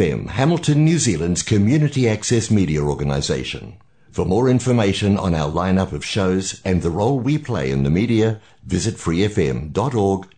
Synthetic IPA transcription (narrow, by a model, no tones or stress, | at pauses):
ɛ̰̃mhæml̩ˠtʰɨ̃nːjʉzilˠə̃ndz̥kʰɨmjʉnɨɾiæksɛsmiɾiɨɔɹɡɨnə̰zḛɪʃɨ̰̃n | fə˞mɔɹɪ̃ɱfə˞meɪʃɨ̃nə̰̃naʊə˞lãɪ̃nʌpʌv̥ʃoʊzɨ̃nðəɹoʊlˠwipʰl̥ḛɪɨ̰̃nðɨmiɾiɨ | vɪzɨtfɹiɛfɛ̰̃mdɑɾɔɹɡ̥